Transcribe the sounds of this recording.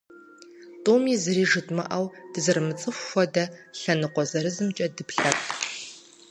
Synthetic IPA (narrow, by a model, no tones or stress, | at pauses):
tʼoːmizɨriːʒɨtʼmɐ̰ʔɐwd̥ɨzɨrmɨt͡sʼɨxʷːɔdɐɬɐnɨqʷɔzɐɾɨzɨmt͡ʃʼɐdɨpɬɐpʰʼ